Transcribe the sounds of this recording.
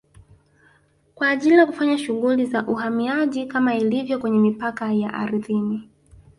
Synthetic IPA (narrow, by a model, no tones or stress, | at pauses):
kwaːʄilijakufaɲaʃuɣulizaʔuhamiaʄikamailivjɔkwɛɲɛmipakajaʔa̰ɾiðini